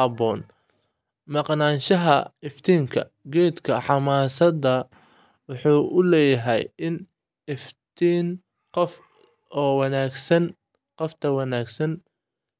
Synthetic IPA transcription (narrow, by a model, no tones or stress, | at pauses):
hɐbɔːn | mɑqnaːnʃɐɦɐɪft̪ʰiːŋkʰɐ | ɡɛːd̪kʰɐħɑmaːsɐdɐ | wʊħuːʔʊlɛːjɐɦɛ̰jɪn | ɪft̪ʰiːn | qɔf | ɔːwɑnaːɡsɐn | qɔft̪ʰɐwɑnaːɡsɐn